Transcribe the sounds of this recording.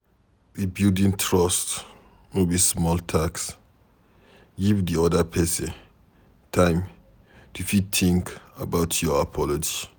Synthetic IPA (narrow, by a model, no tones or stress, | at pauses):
bibildĩntʰɹɔst | nobismɔltʰaks | ɡivdiɔdəpʰɛsɛ̃n | tʰãɪ̃m | tʰufid̚tʰĩŋkabaʊtʰjɔapʰɔlɔd͡ʒi